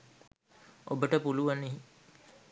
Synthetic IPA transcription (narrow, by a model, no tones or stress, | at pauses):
obəʈəpuluʋaniɦi